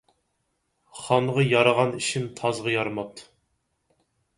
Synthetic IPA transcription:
χɑnʁɑjɑɾəʁɑniʃɪnt̪ʰɑzʁɑjɑɾmɑt̪

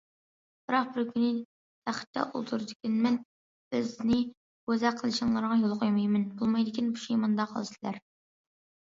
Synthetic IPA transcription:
b̥ɨɾɑq̚bɪɾkʲʰynɪ | t̪ʰæχɪ̥t̪ʰːɛ̰ʔṵlˠt̪ʰuɾɨd̪ɪkʲɛnmɛn | b̥ɪznɪ | ɡ̥øzæqʰəlˠɪʃinŋlˠɑɾʁɑjolˠqʰojmɑjmɪnbulˠmɑjd̪ɪkʲinbu̥ʃejmɑnd̪ɑqʰəlˠɨsɪlæ̰ɾ

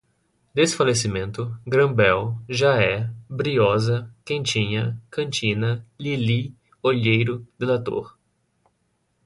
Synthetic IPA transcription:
d̪esfalesimẽnt̪ʊɡɾɐ̃bɛwʒaɛbɾiɔzɐkẽnt͡ʃĩɲɐkɐ̃nt͡ʃĩnɐlili | oʎejɾʊd̪̥elat̪o̰ɾ

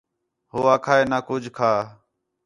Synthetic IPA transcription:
ɦoːaːkʰaːeːnaːkʊd͡ʒʱkʰaː

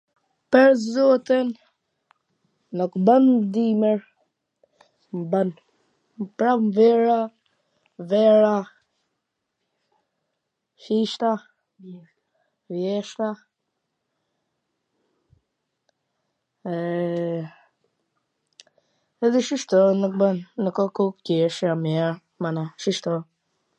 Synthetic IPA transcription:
pɛɾzɔt̪ɛn | nɔkband̪imɛɾ | mban | mpɾamvɛɾa | vɛɾa | ʃiʃt̪a | ɾjɛʃt̪a | ɛ | ɛðiʃiʃt̪ɔnək̚bənːəkɔkukɛʃamiɛɾ | manaʃiʃt̪ɔ

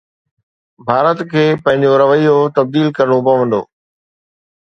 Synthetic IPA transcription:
bʱaːɾət̪kʰeːpɐ̃ɦɪ̃ɲd͡ʑoɾɐʋəijot̪ɐb̚d̪iːlkɐɾəɽ̃obɐʋə̃n̆d̪o̰ː

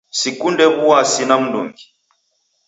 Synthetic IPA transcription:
sikundɛβuwasinam̩ndɔ̰ŋɡi

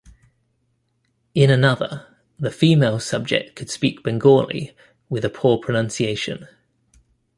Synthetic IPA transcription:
ɪ̃nənʌðə̰ | ðəfiːmeɪlˠsʌb̚d͡ʒɛ̰k̚tkʰəd̥spiˑk̚b̥ɛ̃ŋɡɔːlḭ | wɪðəpʰɔːpʰɹ̥ənʌ̃nsieɪʃə̰̃n

